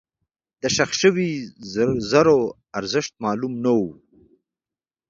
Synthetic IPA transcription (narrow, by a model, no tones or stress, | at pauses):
d̪̥əʃaxʃəwi | zaɾo | aɾzɪʃt̪̚mɑːlumnawu